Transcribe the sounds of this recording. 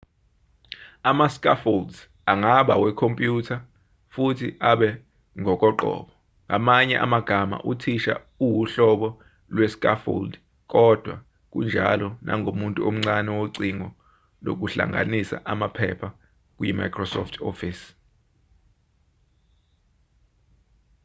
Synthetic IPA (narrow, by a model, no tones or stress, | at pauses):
amaskʼafoldz | aŋaɓa̰wɛkʰompʼjutʰa | futʰiʔaɓɛ | ŋʱɔk̬ʼɔǃɔ̰ːɓɔ | ŋʱamaɲɛʔa̰maɡ̥ʱama̰ʔutʰiʃa̰ | uwuɬɔɓɔ | lwɛskʼafo̰ld | k̬ʼɔd̥ʱwa | k̬ʼṵnd͡ʒʱa̰lɔnʔa̰ŋʱomuntʼuom̩ŋ͡ǀanɛwoǀiŋɔ | lo̰k̬ʼuɬa̰ŋʱa̰nisa̰ʔamapʰɛ̰pʰa | k̬ʼujima̰jkʰrɔsɔ̰ftʰofis